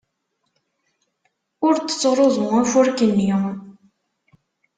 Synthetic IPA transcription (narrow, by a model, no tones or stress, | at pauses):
ʊɾt̪ːə̥t͡sːɾˤoðˤʊæfʊɾkənːi